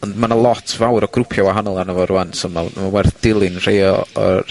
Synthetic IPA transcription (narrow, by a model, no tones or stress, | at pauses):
ɔndmanalˠɔtʰvawɾɔɡrʊpʰjɔwaɦanɔlˠanəvɔɾuantɔmamawɛrθd̥ɪlˠɪnr̥ejɔɔ̰